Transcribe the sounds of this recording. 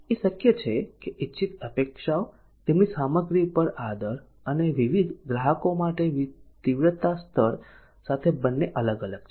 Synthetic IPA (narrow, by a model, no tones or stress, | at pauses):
eʃəkjət͡ʃʰekeʔitːʃʰit̪əpekʃao | t̪emnisaməɡɾipəɾad̪əɾ | əneʋiʋid̪ɡɾaɦəkomaʈeʋt̪iʋɾət̪ast̪ʰəɾ | sat̪ʰebənːeʔələɡələɡ̚t͡ʃʰ